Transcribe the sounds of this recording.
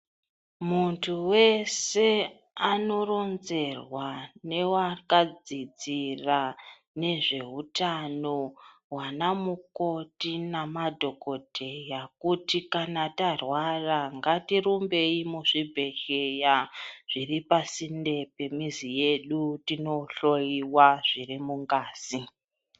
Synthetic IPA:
muntʰuwe̞se̞ | ano̞ɾo̞nze̞rwane̞wakad͡zid͡zira | ne̞ʐe̞ɦutano̞ | wanamuko̞tinamadʱo̞ko̞dʱejakutikanatarwaraŋɡatiɾumbe̞imuʐibʱe̞ʃejaʐ̥iripasinde̞pe̞mizije̞ɗutino̞ɬojiwaʐ̥irimuŋɡaːzi

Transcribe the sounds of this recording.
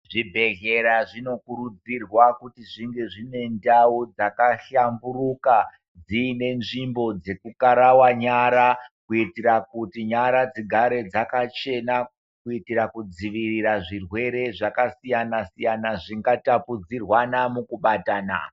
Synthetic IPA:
ʐibʱe̞ɣe̞ɾaʐino̞kuɾud͡zirwakutiʐiŋɡe̞ʐine̞ndaud͡zakaɬamburuka | d͡ziːne̞nʐimbo̞d͡ze̞kukaɾawaɲaɾakuitiɾakutiɲaɾad͡ziɡʱaɾe̞d͡zakat͡ʃe̞na | kuitiɾakud͡ziʋiriɾaʐirwe̞ɾe̞ʐakasijanasijanaʐiŋɡatapud͡zirwanamukuɓataːna̰

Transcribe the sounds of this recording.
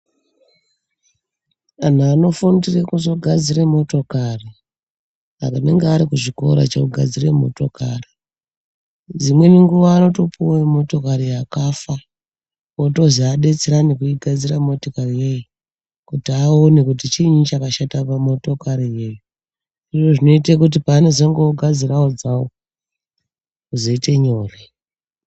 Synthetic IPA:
an̤uano̞fundirekuzo̞ɡʱad͡ziremo̞to̞kari | a̰kane̞̰ŋɡeaɾikuʐiko̞̰ɾa̰t͡ʃeuɡʱa̰d͡zirḛmo̞̰to̞kari | d͡zimwe̞niŋɡuʋaːno̞to̞puwamo̞to̞kaɾiakafa | oto̞ziaɗe̞t͡seɾanikuiɡʱad͡ziramo̞tokarije̞ji | kutiaonekutit͡ʃiɲut͡ʃakaʃatapamo̞to̞kaɾije̞ju | iʐo̞ʐino̞itekut̬ipaːne̞zoŋɡeoɡʱad͡ziraod͡zawo | kuzo̞ite̞ɲo̞ːre

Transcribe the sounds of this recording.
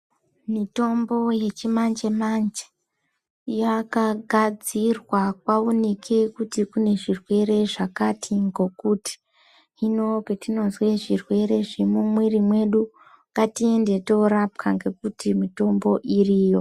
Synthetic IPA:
mito̞mbo̞je̞t͡ʃimand͡ʒemand͡ʒe̥ | jakaɡʱad͡zirwakwaonekʰe̞kutikune̞ʐirwe̞ɾe̞ʐakatʰiŋɡo̞kuti̥ | ino̞ketino̞nzwe̞ʐirwe̞ɾe̞ʐemumwirimwe̞ɗu | ŋɡatie̞nde̞to̞ɾap̚kʰaŋɡe̞kutimito̞mbo̞ʔiriːjo̞

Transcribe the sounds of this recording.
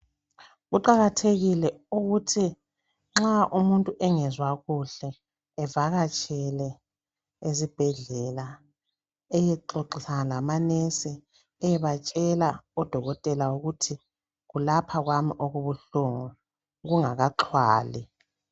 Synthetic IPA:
ɣuǃaɣatʰeɣilɛuɣutʰi | ŋ͡ǁaʔumuntʼuʔɛŋɛzwaɣuɬɛː | vaɣat͡ʃʼɛlɛ | ezib̥ʱɛɮɛla | ɛjɛǁoǃisaŋalamanɛsɛ | ɛjɛβat͡ʃʼɛlaɔd̥ʱɔɣɔtʼɛlawuɣutʰi | ɣulapʰaɣwamiʔoɣuβuɬuŋu | ɣuŋaɣaǁʰwa̰ːlḭ

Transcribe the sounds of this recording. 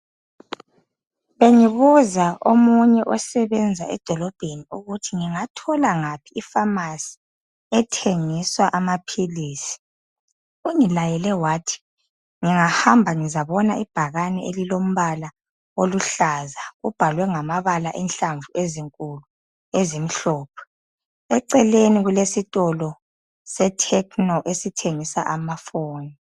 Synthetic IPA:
βeŋiβuzaomuɲɛʔɔsɛβɛnd͡zʱaɛ̰d̥ʱɔlɔb̥ʱeniuɣutʰiŋiŋatʰɔlaŋapʰiːfamasi̥ | ɛtʰeŋiswaʔamapʰiliːsi̥ | uŋilajɛlɛwaːtʰi̥ | ŋiŋahambʱaŋizaβɔnaʔib̥ʱaɣanɛelilom̩βala | oluɬazaɣub̥ʱalwɛŋamaβalaʔɛnɬaɱvuʔeziŋkʼulu | ezim̩ɬɔːp̚ʰɔ̥ | ɛǀɛleniɣulesitʼɔlɔ | sɛtʰɛkʰʼnɔʔesitʰeŋisa̰ʔamafoːni

